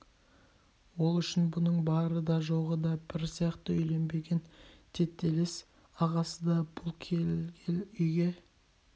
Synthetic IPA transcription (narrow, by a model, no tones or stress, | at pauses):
wo̞lˠʏʃɪnbʊnəɴbɑɾəd̪ɑʒo̞ʁəd̪ɑb̥ɪɾsijɑqt̪əʏjle̞nbe̞ɡʲe̞nt̪ʰe̞t̪ʰːe̞les | ɑʁɑsəd̪ɑb̥ʊlˠkʲʰeɡʲenʏjɡʲe̞